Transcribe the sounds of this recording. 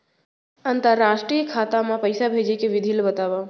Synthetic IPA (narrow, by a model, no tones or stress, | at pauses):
ənt̪əɾːaːʃʈɾijəkʰaːt̪amãpəjsabʱed͡ʒekeʋɪd̪ʱilbət̪aʋa